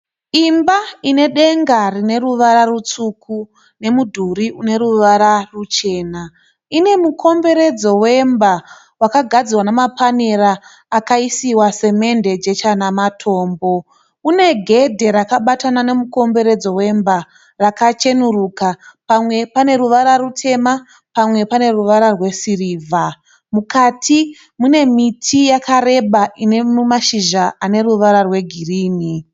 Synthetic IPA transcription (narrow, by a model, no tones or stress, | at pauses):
imbaine̞ɗe̞ŋɡarine̞ruʋaɾarut͡suːkʰu | ne̞mudʱuɾiune̞ɾuʋaɾarut͡ʃe̞ːna | ine̞mukʰo̞mbe̞ɾe̞d͡zo̞we̞mba | wakaɡʱad͡zirwanamapaneɾaː | kaisiwase̞me̞nde̞d͡ʒe̞t͡ʃanamatʰo̞ːmbo̞ | une̞ɡʱe̞dʱe̞ɾakaɓatanane̞muko̞mbe̞ɾe̞d͡zo̞we̞mba | rakat͡ʃe̞nurukapamwe̞pane̞ɾuʋaɾarutʰe̞ma | pamwe̞pane̞ruʋaɾarwe̞siriːvʱa | mukatʰi | mune̞mitʰijakare̞ɓaʔine̞mumaʃiʒaʔane̞ruʋaɾarwe̞ɡʱiriːni